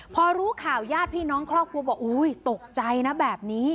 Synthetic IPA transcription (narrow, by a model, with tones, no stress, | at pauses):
pʰɔː˧ɾuː˦˥kʰaː˨˩wjaː˥˩t̪̚pʰiː˥˩nɔː˦˥ŋkʰɾɔː˥˩p̚kʰu˧əbaː˨˩ʔuː˧˩jt̪o˨˩k̚t͡ɕa˧jna˦˥bɛː˨˩p̚niː˦˥